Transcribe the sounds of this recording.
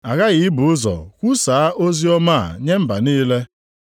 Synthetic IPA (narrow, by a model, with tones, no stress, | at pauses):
a˨ɣa˦ɣɪ˨˦bʊ˨ʊ˦zɔ̰˨kʷu˦saː˨a˦ʔo˦zi˦ɔ˦ma̰˦˨ɲe˦m̩˦ba˨niː˦le˦